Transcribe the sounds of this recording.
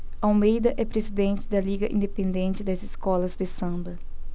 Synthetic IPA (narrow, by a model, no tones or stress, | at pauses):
awmejd̪ɐʔɛpɾezid̪ẽnt͡ʃɪd̪ɐliɡɐʔḭ̃d̪epẽnd̪ẽnt͡ʃɪd̪ɐziskɔlɐzd̪ɪsɐ̃mbɐ